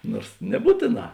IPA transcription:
ˈnoːrs nʲɛˈbuːtʲeːˌnɑː

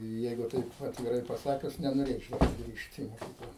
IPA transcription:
ˈjɛɪɡʊ ˈtɐɪp ɐtʲʋʲɪˈrɐɪ pɐˈsɑːkʲʊs nʲɛnoːˈrʲeːt͡ʃʲɛʊ sʊˈɡrʲiːʃt ɪ moːˈkʲiːklˠɐ

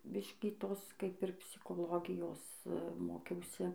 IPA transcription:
ˈbʲɪʃʲkʲiː ˈtoːs ˈkɐɪp ɪr pʲsʲɪkoːˈlˠoːɡʲɪjoːs ˈmoːkʲɛʊsʲɪ

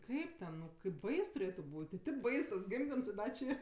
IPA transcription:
ˈkɐɪp tʲɛn nʊ kɐɪp ˈbɐɪs tʊˈrʲeːtʊ ˈbuːtʲ ɪ tʲɪp ˈbɐɪs tɐs ˈɡʲɪmʲdʲɪms ɪ ˈdɐ t͡ʃʲɪ

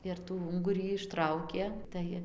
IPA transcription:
ɪr tuː ˈʊŋɡʊrʲiː ɪʃˈtrɐʊkʲeː ˈtɐɪ

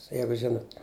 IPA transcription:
ˈjɛɪɡʊ ˈʒʲɪnʊt

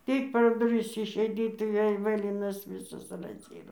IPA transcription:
ˈtʲɪk pʲɛr dʊˈrʲɪs ɪʃʲɛɪˈdʲiːt tɐɪ ˈʋʲeːlʲ ˈʋɘlʲɪnɐs ˈʋʲiːsɐs rɐzʲˈiːroː

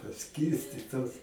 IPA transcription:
pɐˈsʲkʲiːrʲsʲtʲɪtoːs

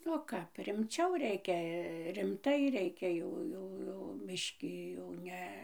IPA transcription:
oː ˈkɐp rʲɪmʲˈt͡ʃʲɛʊ ˈrʲɛɪkʲɛ rʲɪmˈtɐɪ ˈrʲɛɪkʲɛ ˈjɛʊ ˈjɛʊ ˈjɛʊ mʲɪʃʲˈkʲɪ jɛʊ ˈnʲɛ

